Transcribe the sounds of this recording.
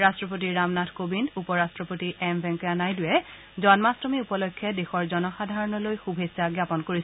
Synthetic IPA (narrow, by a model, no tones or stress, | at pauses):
ɹastɹɔp̬otiɹamnatʰkobindupɔɹastɹɔpotiʔɛmbʱɛŋkɔjanajdʊjɛ | zɔnmastɔmiupɔlɔjkʰːjɛdexɔɹzɔnɔxadʱaɹɔnɔlojxubʱesaɡjapɔnkoɹis